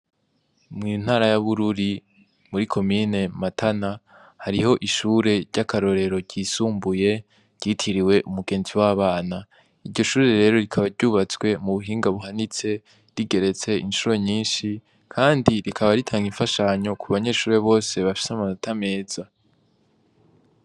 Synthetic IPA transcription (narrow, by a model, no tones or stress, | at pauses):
mŋin̥haːɾajaβuɾuɾi | muɾikʰo̞mine̞matʰana | haɾiho̞ʔiʃuːɾe̞ɾɟakʰaɾo̞ɾe̞ɾo̞ɟ̥isuːmbuje̞̥ | ɟ̥itʰiɾiwe̞ʔumuɡe̞ːnziwaβaːna | iɾɟo̞ʃuːɾe̞ɾe̞ːɾo̞ɾikʰaβaɾɟuːβat͡swe̞muβuɦiːŋɡaβuhanit͡se̞ | ɾiɡe̞ɾe̞t͡se̞inʃuːɾo̞ɲiːnʃi | kʰaːndiɾikʰaβaɾitʰaːŋɡiɱfaʃaɲo̞kʰuβaɲe̞ʃuːɾe̞βo̞ːse̞βafi̥samanotʰame̞ːz̥a